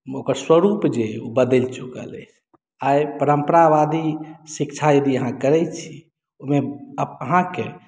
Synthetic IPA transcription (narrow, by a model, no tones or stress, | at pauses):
okəɾswəɾupd͡ʒeobəd̪əlt͡ʃukə̰lə̰jt͡ʃʰ | ajpəɾəmpəɾabad̪isikt͡ʃʰajed̪iəɦãkəɾɛjt͡ʃʰi̥ | omeəəɦãke